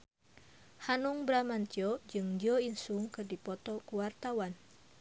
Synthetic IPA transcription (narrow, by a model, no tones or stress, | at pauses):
hanuŋbɾamant̪iɔd͡ʒɨŋdiɔinsuŋkɨrdipɔt̪ɔkuwart̪awan